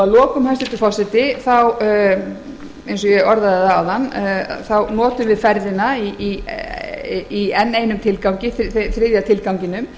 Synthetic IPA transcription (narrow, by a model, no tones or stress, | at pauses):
alɔːkʏmhanst̪ɪt̪ʏfasɪt̪ɪθaw | ejns̬ɔjɛɣɔɾðaðɪθaawðanːθawnɔːt̪ʏmvɪðfɛɾðɪnaii | iɛnːeːjnʏmt̪ʰɪlkawɲcɪθθɾɪːðjat̪ʰɪlkawɲcɪnʏm